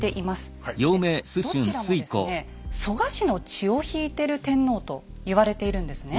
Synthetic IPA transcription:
t̪e̞ʔimasɨ̥joːmeːsɨɕoɯ̃nɾsɨieko̰ne | so̞ɡaɕino̞t͡ɕio̞çiːt̪e̞ɾɯ̟t̪ẽ̞nːo̞ːt̪o̞ | iβaɾe̞t̪e̞iɾɯ̟̃nd̪e̞sɨne

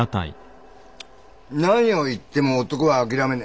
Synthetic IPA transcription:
at̪a̰ḭ | nãɲio̞it̪ːe̞mo̞ːt̪okoβaːk̬ʲiɾame̞na

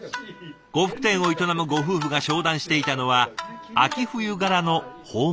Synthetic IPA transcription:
ɡ̥o̞ɸɯ̥kɯ̟̥t̪ẽ̞ɰ̃o̞it̪o̞namɯ̟ɡo̞ɸɯ̟ːɸɯ̟ɡaɕo̞ːd̪ãɰ̃ɕi̥t̪e̞it̪ano̞βaakʲiɸɯ̟jɯ̟ɡaɾano̞hoː

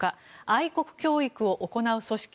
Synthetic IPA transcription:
kaaiko̞kɯ̟̥kʲo̞ːikɯ̟o̞ʔoko̞naɯ̟so̞ɕi̥kʲ

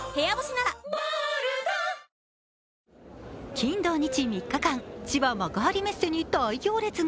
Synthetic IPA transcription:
heaboɕinaɾa | kʲĩnd̪o̞ːɲ̟it͡ɕimʲikːakãŋt͡ɕiβamaɡaɦːɾʲime̞se̞ɲ̟iːt̪ːaːikʲo̞ːɾe̞t͡sɨ

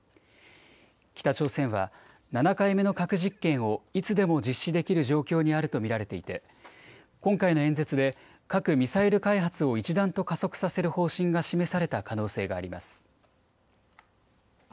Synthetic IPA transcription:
kʲi̥t̪at͡ɕo̞ːsẽ̞ɰ̃βa | nanakaime̞no̞kakɯ̟ʑikːẽ̞ɰ̃o̞it͡sɨd̪e̞mo̞d͡ʑiɕːid̪e̞kʲiɾɯ̟ʑo̞ːkʲo̞ːɲ̟iaɾɯ̟t̪o̞mʲiɾaɾe̞t̪e̞it̪e̞ | kõ̞ŋkaino̞ẽ̞nd͡ze̞t͡sɨd̪e̞ | kakɯ̟mʲisaiɾɯ̟kaiɦat͡sɨo̞it͡ɕid̪ãnt̪o̞kaso̞kɯ̟̥sase̞ɾɯ̟ho̞ːɕĩŋɡaɕime̞saɾe̞t̪akano̞ːse̞ːɡaːɾʲima̰sɨ̥

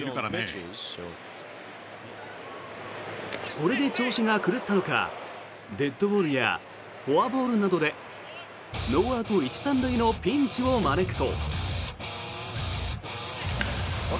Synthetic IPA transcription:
kaɾa | ko̞ɾe̞d̪e̞t͡ɕo̞ːɕiŋakɯ̟ɾɯt̪ːano̞ka̰ | d̪e̞t̪ːo̞bo̞ːɾɯ̟ja̰ | ho̞abo̞ːɾɯ̟nad̪o̞d̪e̞ | noːaːt̪o̞it͡ɕi̥sãnd̪aino̞pʲĩɲ̟t͡ɕio̞mane̞kɯ̟̥t̪o̞̰

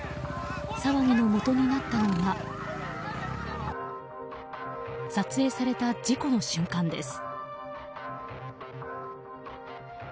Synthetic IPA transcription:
saβaɲ̟ino̞mo̞t̪o̞ɲ̟inat̪ːano̞ɡa | sat͡sɨe̞ːsaɾe̞t̪ad͡ʑiko̞no̞ɕɨ̃ŋkãnd̪e̞̰sɨ̥

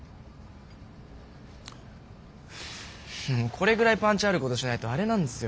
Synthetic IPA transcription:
okʰo̞ɾe̞ɡɯ̟ɾaipãɲ̟t͡ɕiaɾɯ̟ko̞t̪o̞ɕinait̪o̞aɾe̞nãnd̪e̞sɨjo

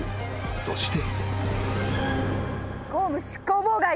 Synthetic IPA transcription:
so̞̰ɕi̥t̪e | ɡ̥oːmɯ̟ɕi̥kːoboɡa

